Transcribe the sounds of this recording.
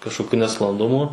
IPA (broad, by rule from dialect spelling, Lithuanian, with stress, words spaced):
kɐʃkoːˈkʲʊ nʲɛsklˠɐnˈdʊmʊ